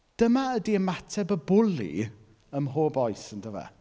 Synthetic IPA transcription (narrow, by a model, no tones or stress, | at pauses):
d̥əmaədiəmatʰɛbəbʊlḭ | əmɦoːbɔjsəndəvɛ̰